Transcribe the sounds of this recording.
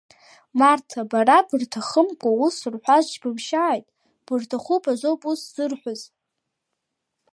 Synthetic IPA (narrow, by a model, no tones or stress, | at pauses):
martʰabaɾabɨrtʰaχəmkʷʼausɨrħʷazt͡ʃbɨbʃaːjtʼ | b̥ɨrtʰaχupʼazʷowpʼusz̥ɨrħʷaz